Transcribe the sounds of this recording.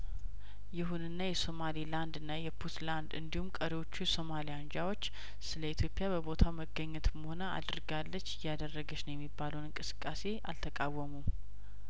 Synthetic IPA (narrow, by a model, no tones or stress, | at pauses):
jɪɦunɨnːajɛso̞maliland̪ɨnːajɛpʰut̪land̪ɨnd̪ihumkʼəɾiwo̞t͡ʃːujɛso̞malijand͡ʒawo̞t͡ʃː | sɨləit̪ʰjo̞pʼjabəbot̪ʰawməɡːəɲːɛt̪məho̞naa̰d̪ɨɾɡalːət͡ʃːɪjːad̪ərːəɡət͡ʃnəwjɛmːibːaləwnɨŋkʼɨsɨ̥kʼːase̞ʔa̰lt̪ʰəkʼawːəmum